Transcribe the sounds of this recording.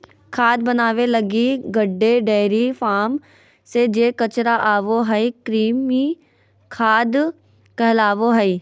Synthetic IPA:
kʰaːd̪̚bɐnaːʋelɐɡiɡəɖːeɖɛːɪɾifʰaːm | sed͡ʒeːkət͡ʃɾaʔaːʋoɦɛikɾiːmi | kʰaːd̪ | kɛɦlaːʋoɦəiː

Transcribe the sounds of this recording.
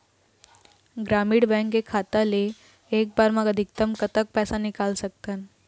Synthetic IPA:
ɡɾamiːɽbɛ̃ŋkekʰːat̪ale | ek̚baɾmaɡəd̪ʱik̚t̪əmkət̪ək̚pɛsanikalsək̚t̪an

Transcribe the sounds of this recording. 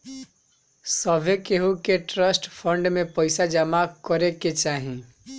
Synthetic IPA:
səbʱekeɦukeʈɾəsʈpʰəɳɖmẽpəɪsad͡ʒəmakəɾeket͡ʃaːɦĩ

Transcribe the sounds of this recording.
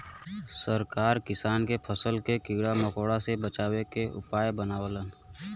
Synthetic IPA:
səɾkaːɾkɪsaːnkepʰəsəlkekɪɡɽaməkoːɽasebət͡ʃaːwekeʔʊ̰paːjbənaːwələn

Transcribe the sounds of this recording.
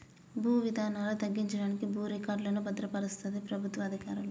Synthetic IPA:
bʱuːʋid̪ʱaːnaːlɐt̪ɐɡːiɲt͡ʃɐɽaːnikibʱuːɾikaːɾɖlɐːnubɐd̪ɾɐpɐɾist̪ʰit̪ipɾɐbʱut̪ʋɐɐd̪ʱikaːɾulo

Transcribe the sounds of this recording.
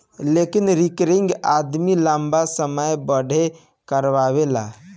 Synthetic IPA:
lekinɾikɾiŋɡad̪milambasəməjbəɽʱe | kəɾʋabela̰

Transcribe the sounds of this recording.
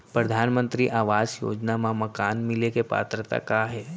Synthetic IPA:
pɾəd̪ʱanmənt̪ɾiːʔaːʋazjo̰d͡ʒnamãməkanmilekepa̰t̪ɾət̪a̰kaɦe

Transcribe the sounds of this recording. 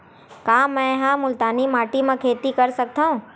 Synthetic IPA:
kaːmɛ̃ɦãːmʊlt̪aːnimaːʈimẽkʰeːt̪ikɐɾsɐk̚t̪aːɦũː

